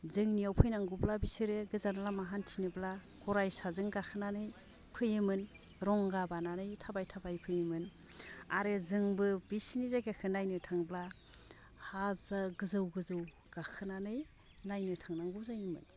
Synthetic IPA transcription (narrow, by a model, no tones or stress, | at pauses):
zɯŋnijawpʰɯjnaŋɡublabisɯɾɯɡɯzanalamaɦantʰinɯbla | ɡɔɾajsazɯŋɡakʰɯnanɯj | pʰɯjɯmɯn | ɾɔŋɡabananɯjtʰabajtʰabajpʰɯjɯmɯn | aɾɯzɯŋbɯbisnizaɡekʰɯnajnɯtʰaŋbla | hazaɡɯzɯwɡɯzɯw | ɡ̥akʰɯnanɯj | najnɯtʰaŋnaŋɡuzajimɯ̰n